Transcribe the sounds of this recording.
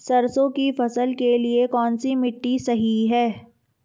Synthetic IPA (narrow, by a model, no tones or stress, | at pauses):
sɐɾsõkifɐsəlkeliekɔːnsimɪʈːisɐɦiɦɛː